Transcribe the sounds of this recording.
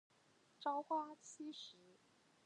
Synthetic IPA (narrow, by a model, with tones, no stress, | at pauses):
ʈ͡ʂɑ˥ʊkwa˥t͡ɕʰi˥ʂɻ̩˧˥